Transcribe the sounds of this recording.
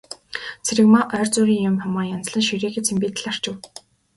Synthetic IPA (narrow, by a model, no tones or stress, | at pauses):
t͡sʰeɾɘ̆kmaʔœːrt͡suːɾʲiːŋjʊmχɔmɔːrjant͡sɮə̆nʃiɾeːɣeːt͡sʰempiːt̪̆ɮar̥t͡ɕɪ̆w